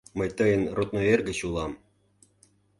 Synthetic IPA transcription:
məjt̪ɤjə̆nrot̪̚noerɡə̆t͡ɕulˠɑm

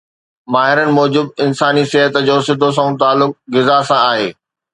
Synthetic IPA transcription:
maːɦɪɾənɪ̆mɔːd͡ʑʊbɪnsaːnisɪɦət̪d͡ʑoːsɪd̪ʱos̬ãũt̪aːlːʊk̚ɣɪzasãaːɦeː

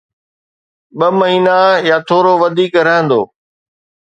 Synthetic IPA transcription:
ɓɐməɦiːnajaːt̪ʰoːɾoʋɐd̪ʱiːkɾəɦə̃nd̪oː

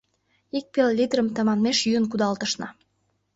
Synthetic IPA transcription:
ik̚pelːʲid̪ɾəmt̪əmɑnmeʃjyənkud̪ɑlt̪əʃnɑ

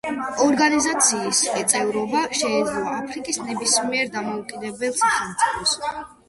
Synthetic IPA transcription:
ɔɾɡanizat̪sʰiːsvɛt̪sʼɛvɾɔbaʃɛːd̪zlˠɔapʰɾikʼisnɛbismiɛɾd̪amɔukʼid̪ɛbɛlˠsaχɛmt̪sʼipʰɔs

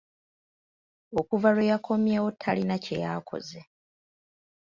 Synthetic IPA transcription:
o̞kuvalwejakʰo̞mjewotʰːalinacḛja̰ːkʰo̞̰ze

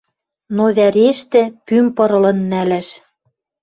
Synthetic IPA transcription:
noβæɾeʃt̪ɘ̆pympɤ̆ɾɤ̆lɤ̆nːælæʃ

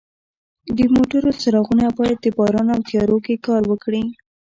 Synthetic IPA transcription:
d̪əmoʈaɾosaɾɑɣunabɑjad̪̚ːəbɑɾɑnawt̪ijɑɾokekɑɾwəkɽi

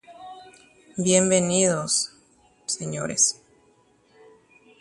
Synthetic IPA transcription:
bjembeniðosː | eɲo̰ɾes

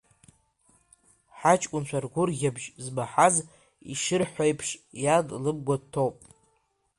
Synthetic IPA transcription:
ħat͡ʃʼkʷʼʊnt͡ʃʷʰarɡʷʊrɡʲabʒzbaħaz | ḭʃɨrħʷajpʰʂjadlɨb̚ɡʷadtʰowpʼ

